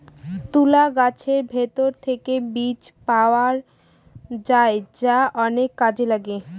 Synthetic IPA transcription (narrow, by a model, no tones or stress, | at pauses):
t̪ulaɡat͡ɕʰeɾbʱet̪oɾt̪ʰekebit͡ɕpaoaɾ | d͡ʑaed͡ʑaʔɔnekːad͡ʑelaɡe